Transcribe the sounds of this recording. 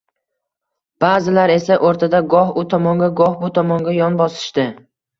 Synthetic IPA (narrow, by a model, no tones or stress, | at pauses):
b̥azɪlaɾe̞saʔoɾt̪ʰad̪aɡɒhʊt̪ʰɒmɒŋɡʲaɡɒhbʊt̪ʰɒmɒŋɡʲajɒnbɒsɪ̥ʃt̪ɪ